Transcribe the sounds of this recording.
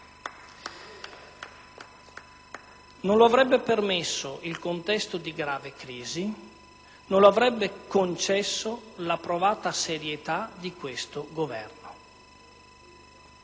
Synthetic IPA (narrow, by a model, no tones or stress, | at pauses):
nonloavɾɛbːepermesːoʔilkont̪ɛst̪od̪iɡɾaːvekɾiːzi | nõnloavɾɛbːekont͡ʃɛsːolapɾovaːt̪aseɾjet̪ad̪ikwest̪oɡovɛrno